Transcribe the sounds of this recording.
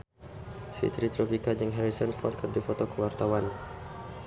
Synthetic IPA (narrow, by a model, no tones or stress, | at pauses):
fḭt̪ɾit̪ɾɔpikad͡ʒəŋɦɛɾisɔnfɔ̰r̚kərdifɔt̪ɔkəwart̪awan